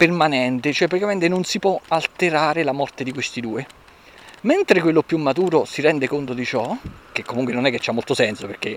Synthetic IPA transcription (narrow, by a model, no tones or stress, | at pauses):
permanɛnt̪et͡ʃoɛpɾat̪ikament̪enonsipwɔalt̪eɾaːɾelamɔrt̪ed̪ikwest̪id̪uːe | ment̪ɾekwelːopːjumːat̪uːɾosiɾɛnd̪ekont̪od̪it͡ʃɔk̟ekːomuŋkwenonɛkːet͡ʃːamːolt̪osɛnsoperke